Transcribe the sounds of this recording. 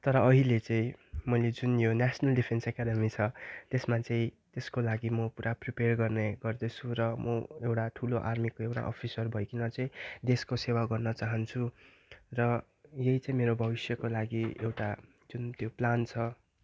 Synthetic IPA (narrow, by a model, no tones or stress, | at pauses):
t̪ʌɾʌːɦilet͡sʌĩmʌjled͡zunjonasʌnʌlɖipʰensakad̪ʌmit͡sʰʌt̪esmat͡sʌĩ | t̪eskolaɡimʌpuɾʔapriperɡʌrneɡʌrd̪ʌt͡sʰuɾʌmʌewʈaʈʰuloʔarmikoewʈa̰ʔʌ̰pʰisʌrbʱʌjkinʌt͡sʌĩd̪eskosewaɡʌrnʌt͡saɦʌnt͡sʰu | rʌ | jʌit͡sʌ̃ĩmeɾobʱʌbisjʌkolaɡiḛwʈa | d͡zunt̪joplant͡sʰʌ